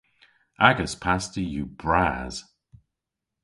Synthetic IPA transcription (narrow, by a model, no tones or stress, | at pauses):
ʔaɡəspʰastəjub̥ɹaːz̥